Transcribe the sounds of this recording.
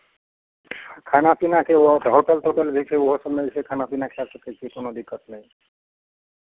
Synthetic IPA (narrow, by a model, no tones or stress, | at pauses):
kʰanapinaked̪ʱɔɾpalʈ̪oʈelbʱikʰeoɦosəmnejsekʰanapinakʰelasəket͡ʃʰikonod̪ikːət̪nɛj̃